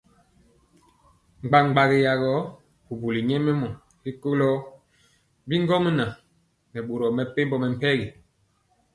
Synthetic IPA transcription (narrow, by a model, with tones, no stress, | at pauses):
ŋ͡mɡ͡ba˨ŋŋ͡mɡ͡ba˨ɣi˨ja˨ɣɔ˨˦ | bu˨bu˨li˨ɲɛ˦mɛ˦mɔ˨ | li˦ko˦lɔ˦ | bi˦ŋ˦ɡɔ˦mə˦na˨ | nɛ˨ɓo˨ɾɔ˨mɛ˨pe˦mbɔ˦mɛ˨m̩˨pɛ˦ɡi˨